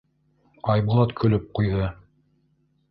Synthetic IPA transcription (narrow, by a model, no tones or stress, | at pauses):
ɑjbulˠɑt̪kʰɵ̆lɵp̚qujðɤ